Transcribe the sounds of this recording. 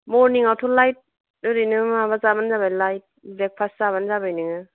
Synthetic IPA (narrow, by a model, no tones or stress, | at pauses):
mɔɾniŋawtʰulajt̚ | dɯɾinɯmaβazabanzabajlajt̚bek̚pʰaszaβanzabajnɯŋɯ